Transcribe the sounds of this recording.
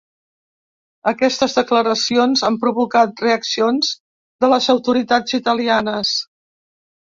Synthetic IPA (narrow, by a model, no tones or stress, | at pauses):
əkɛst̪əzðəkləɾəsionzampɾuβukat̪̚reəksionz | ðələzəwt̪uɾit̪ad͡zit̪əlianəs